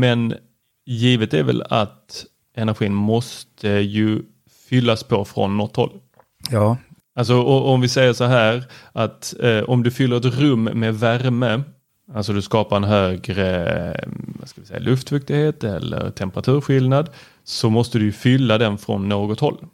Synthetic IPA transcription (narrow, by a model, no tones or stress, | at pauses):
mɛn | jiːvət̪æ̰ɾvɛ̰la̰t̪ | ɛnæɾɧiːnmɔst̪ʰəjɵ | fʏlːaspʰɔfɾɔ̰nːɔt̪ːhɔ̰lː | jɑː | als̬ɔɔʔɔmvɪsɛjːəʂɔɦæːɾʔat̪ʔɔmd̪ɵfʏlːəɾɛt̪ɾɵmːeːvæɾmə | alsɔd̪ɵskɑːpaɾɛnɦøːɡɾə | vaskavɪsɛ̰jːa̰lɵft̪fɵk̚t̪ɪɡheːt̪ɛ̰lːə̰ɾt̪ʰɛmpəɾat̪ʰʉ̟ːɾɧɪlnad̪ | sɔmɔst̪əd̪ɵjɵfʏlːad̪ɛnfɾɔ̰nːoːɡɔt̪hɔlː